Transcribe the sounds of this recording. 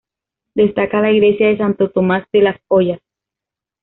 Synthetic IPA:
d̪e̞st̪akalaiɣle̞sjaðe̞s̬ant̪o̞t̪omasd̪elaspoʝas

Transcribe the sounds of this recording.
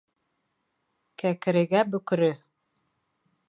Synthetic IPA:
kækɘ̆ɾɘ̆ɡæbɵ̆kɾɵ

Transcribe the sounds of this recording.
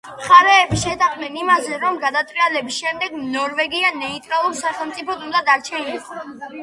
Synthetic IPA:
χaɾɛːbiʃɛt̪ʰaχnɛnimazɛɾɔmɡad̪at̪ʼvialɛbisʃɛmd̪ɛɡnɔɾvɛɡianɛit̪ʼɾalˠuɾsaχɛlˠt̪sʼipʰɔd̪und̪ad̪aɾt͡ʃʰɛniɛ

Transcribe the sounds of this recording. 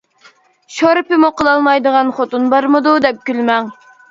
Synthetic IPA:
ʃoɾpɪmuqʰəlˠɑlˠmɑjd̪əʁɑnχot̪unbɑɾmɨd̪ud̪ɛp̚kʲylmɛŋ

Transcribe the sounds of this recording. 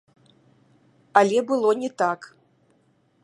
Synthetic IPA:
alʲɛbɨlˠɔnʲɛt̪ak

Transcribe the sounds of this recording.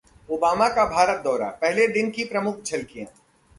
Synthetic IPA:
oːbaːmakabʱaːɾət̪̚d̪ɔːɾa̰pɛɦled̪ɪnkipɾɐmʊkʰt͡ʃʰɐlkijãː

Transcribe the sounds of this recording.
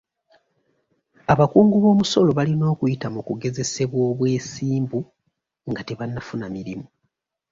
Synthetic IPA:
aβakuːŋɡuβo̞ːmuso̞lo̞βalino̞ːkujitamukuɡe̞ze̞se̞βwoːβwe̞ːsiːmbu | ŋɡate̞βanːafunamiɾimu

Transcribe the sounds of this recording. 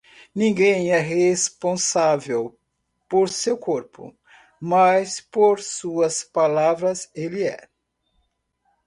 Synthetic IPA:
nĩŋɡẽj̃ɛɦespõsavew | poɾsewkoɾpʊ̰ | majspoɾsuɐspalavɾɐzeliɛ̰

